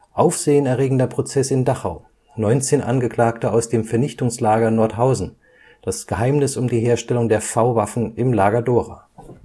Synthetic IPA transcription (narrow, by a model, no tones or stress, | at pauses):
ʔaʊfz̥eːənɛɐʁeːɡŋ̩dɐpʁ̥ot͡sɛsɪndaχaʊ | nɔʏnt͡seːnʔa̰nɡəkl̥aːktəaʊsd̥eːmfɛɐnɪçtʊŋslaːɡɐnɔɐtɦaʊzn̩ | d̥asɡ̥əɦaɪmnɪsʊmdiːɦeːɐʃtɛlʊŋdeːɐfaʊvafn̩ɪmlaːɡɐdoːʁaː